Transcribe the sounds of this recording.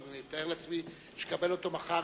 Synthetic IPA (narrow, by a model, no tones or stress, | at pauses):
nit̪ae̞ʁleat͡smi | ʃe̥kabe̞lo̞to̞maχa